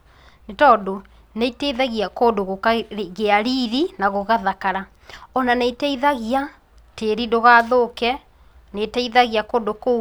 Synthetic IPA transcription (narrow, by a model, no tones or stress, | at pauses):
etɔdo | neiteiðaɣiakoːdoɣokaɣeaɾiːðinaɣoɣaðakaɾa | ɔnaneitɛiðaɣia | teɾidoɣaːðokɛ | netɛiðaɣiakoːdoko